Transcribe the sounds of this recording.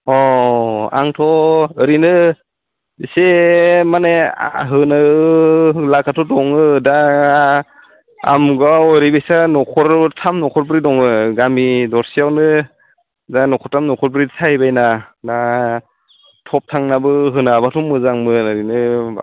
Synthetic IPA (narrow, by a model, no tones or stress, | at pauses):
ɔ | a̰ŋtʰɔɯɾinɯ | isemanḛɦɯna | lakʰatʰɔdɔŋɯda | a̰mɡawɾibejsanɔkʰɔɾtʰamnɔkʰɔɾp̬ɾidɔŋɯɡamidɔɾsijawnɯ | danɔkʰɔɾtʰamnɔkʰɔɾpɾidsʰahibajnada | tʰɔp̚tʰaŋnabɯɦɯnabatʰɔmːɯzaŋmɯnɯɾinɯ